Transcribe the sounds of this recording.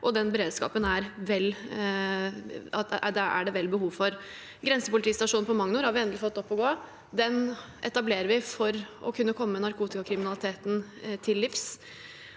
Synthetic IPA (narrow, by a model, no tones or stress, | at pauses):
ʔɔd̪ɛnbəɾeːd̪skɑ̰ːpənæɾʋɛlː | ɑd̪ɛæ̰ɖɛʋɛlːbəɦuːʋfɔɾ | ɡɾɛnsəpʊlɪt̪ʰiːst̪ɑʂuːnpɔmɑŋnʊɾhɑɾʋɪɛnd̪lɪfɔt̪ːɔpːɔɡoː | d̪ɛn | ʔɛ̰t̪ɑbleːɾəɾʋɪfɔɾʔɔkʰʉnːəkʰɔmːənɑɾkʰuːt̪ɪkɑkʰɾɪmɪnɑlɪt̪ʰeːt̪nt̪ʰɪlːɪfs